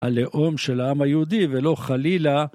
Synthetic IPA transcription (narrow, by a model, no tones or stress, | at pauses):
a̰leʔo̞mʃelaamajeud̪ivelo̞χalila